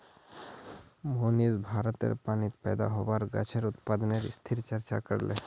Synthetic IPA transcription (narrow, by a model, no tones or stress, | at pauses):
moːnizbʱaːɾət̪ḛɾpaːnit̪pɛːd̪a̰ɦobaɾɡɐ̰t͡ʃʰeɾʊt̪paːd̪neɾɪst̪ʰiɾt͡ʃəɾt͡ʃa̰kəɾlḛ